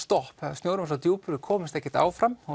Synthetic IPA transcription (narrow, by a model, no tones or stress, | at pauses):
st̪ɔhphɛðast̪joːwɾʏmasawt̪juːpʏɾʏkʰɔːmɪst̪ɛhcːɛɾt̪a̰ːwfɾamɔ